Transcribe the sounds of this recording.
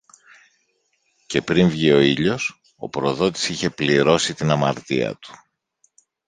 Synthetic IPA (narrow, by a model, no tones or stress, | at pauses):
ce̞pɾiɱvʝio̞iʎo̞s | o̞̰pɾo̞ðo̞t̪i̥siçe̞pliɾo̞sit̪inɐmɐɾt̪ḭɐ̰t̪u̥